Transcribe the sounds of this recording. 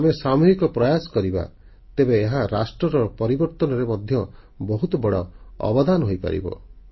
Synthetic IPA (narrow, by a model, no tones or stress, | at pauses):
mesamuɦikɔpɾɔjasɔ̥kɔɾiba̰ | t̪ebeːɦaɾasʈɾɔɾɔpɔɾibɔɾt̪ɔnɔɾemɔd̪ʱjɔ | bɔɦut̪ɔbɔɽɔɔ̰bɔd̪anɔɦojpa̰ɾḭbɔ̰